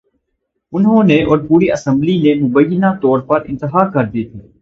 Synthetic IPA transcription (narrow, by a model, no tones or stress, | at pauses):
ʊnɦõːneʔɔːɾpuːɾiʔɐsə̃mblinemʊbəjːənat̪ɔːɾpɐɾɪ̃nt̪əɦaːkɐɾd̪iet̪ʰeː